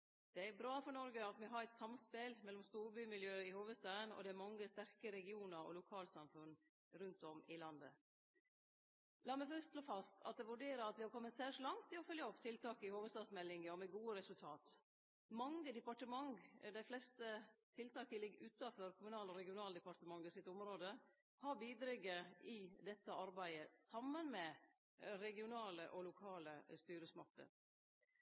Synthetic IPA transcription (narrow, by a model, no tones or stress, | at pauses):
d̪̥ɛæɾbɾɑːfɔnɔɾɡəɑt̪mɛɦɑɾæɪt̪sɑmspɪlmɛlːɔmst̪uːɾbyːmɪljøːɪhoːʋəst̪ɑːənɔ̰d̪ɛæɾmɑŋːəst̪æɾkəɾɛɡɪuːnəɾɔ̰lʊkʰɑːlsɑmfʉn | ɾʉnt̪ɔmɪlɑnd̪ə̰ | lɑːmæɪfœst̪ʃloːfɑst̪ʰɑ̰t̪̚d̪ɛʋʉɖeːɾəɑt̪ʋɪhɑɾkɔmːətsæʂlɑŋt̪ʰːɪɔfœljəɔpt̪ʰɪlt̪ʰɑːkəɪhoːʋəst̪ɑːd̪smɛlːɪŋəɔmɛɡuːəɾɛsʉlt̪ʰɑːt̪ | mɑŋːəd̪ɛpɑʈəmɑŋd̪æɪflɛst̪ət̪ʰɪlt̪ʰɑːkəlɪɡːʉt̪ɑfɔɾkʰʊmʉnɑːlɔɾɛɡɪʊnɑːləd̪əpɑʈ̪əmɑŋːɪsɪt̪ːʊmɾoːd̪ə | hɑɾbiːd̪ɾɪɡəɪd̪ɛt̪ːəɑɾbæɪəsɑmːənmɛ | ɾɛɡɪʊnɑːləʔɔlʊkʰɑːləst̪yːɾəsmɑk̚t̪ʰə̰ɾ